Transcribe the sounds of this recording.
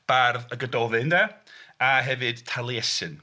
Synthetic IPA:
b̥arðəɡədɔvɨndɛaɦɛvɨd̥tʰalˠiɛsɨn

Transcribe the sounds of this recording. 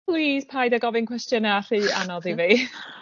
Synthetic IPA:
pliːspʰajdaɡɔvɪnkwɛstjənaɬiːanɔðiviː

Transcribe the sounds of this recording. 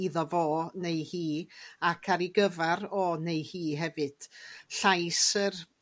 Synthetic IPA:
iðɔvoːnejhiːakʰaɾiɡəvaɾɔnejhiːɦɛvɨd̥ɬajsər

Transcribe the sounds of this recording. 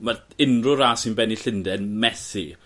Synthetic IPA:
marɪnrʊɾaːsɪnbɛniɬɪndɛnmɛθi

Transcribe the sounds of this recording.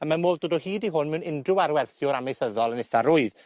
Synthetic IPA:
amanmoːlˠdoːdɔhiːdiɦʊnmɛwnɪndrʊwaɾwɛrθjʊɾamejθəðɔlˠənɪθaɾʊɨð

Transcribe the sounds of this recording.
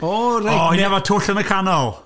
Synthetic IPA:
orɔinɛvɔtʰʊɬənəkʰanɔlˠ

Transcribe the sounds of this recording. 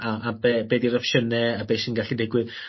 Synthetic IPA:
aʔabeːbeːdiɾɔfʃənɛabeːʃinɡaɬidɪɡwɪð

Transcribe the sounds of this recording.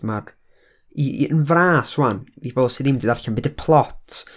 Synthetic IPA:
mar | iənvraːswanib̥oːlˠsɨðimdiːdarɬanbɨdəpʰlˠɔtʰ

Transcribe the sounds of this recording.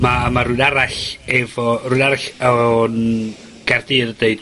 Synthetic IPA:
mamarʊɨnaɾaɬɛvɔrʊjnaɾaɬan | ɡ̥ardɨrədeɨd̥

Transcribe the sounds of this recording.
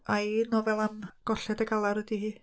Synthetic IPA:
ajnɔvɛlˠanɡ̥ɔɬɛdəɡalˠaɾədihiː

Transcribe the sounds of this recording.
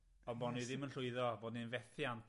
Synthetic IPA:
ɔnbɔniðɪmənɬʊɨðɔvoːdninvɛθjant

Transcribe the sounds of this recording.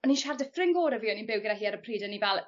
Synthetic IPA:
ɔniʃardəfrɪŋɡoːɾəviːɔninbɪwɡədaɦiːaɾəpʰriːdənivɛlˠ

